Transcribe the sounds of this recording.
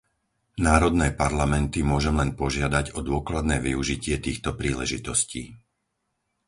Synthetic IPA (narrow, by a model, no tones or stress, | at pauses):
naːɾɔd̪nɛːpaɾlamɛnt̪imʊɔʒɛmlɛnpɔʒɪad̪aɟɔd̪ʊɔklad̪nɛːʋiuʒicɪɛt̪iːxt̪ɔpɾiːlɛ̰ʒit̪ɔsciː